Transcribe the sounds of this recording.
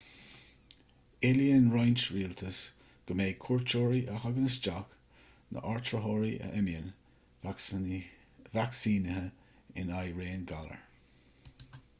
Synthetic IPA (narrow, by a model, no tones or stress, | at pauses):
ɪliənɹajnt͡ʃɹiːltʰəs | ɡ̥əmeːkʰuɹt͡ʃoːɹiʔəhaɡənəsd͡ʒak | nə̰ʔaɹt̪ɹəɦoːɹiʔə̰ʔɛmjən | vaksiːnəɦə | ɪ̰najɹeːnɡalə̰ɹ